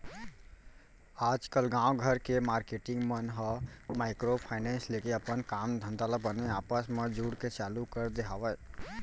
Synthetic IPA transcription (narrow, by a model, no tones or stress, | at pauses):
aːd͡ʒkəlɡãːwɡʱəɾkemaːɾkeːʈɪ̃ŋɡmənɦəmaːɪkɾopʰaːɪnɛ̃ːnsleːkeɐpənkaːmd̪ʱə̃nd̪ələbbəneaːpəsmẽd͡ʒuːɽket͡ʃaːlukəɾd̪eɦaːʋə